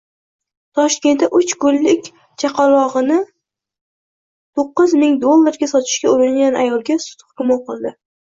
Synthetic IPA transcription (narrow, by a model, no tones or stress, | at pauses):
t̪ʰɒʃkʲe̞nt̪aʔʊt͡ʃkʊlːɪkʲ | t͡ʃʰaqʰɑlˠɒʁɨnɪ | t̪ʰoqːɨzmɪŋd̪olˠːaɾɡʲasɒt̪ʰɪ̥ʃkʲaʊɾɪnɡʲanʔa̰jɒlˠɡʲasʊ̥t̪ʰχkʲʊmɒqɨlˠd̪ɪ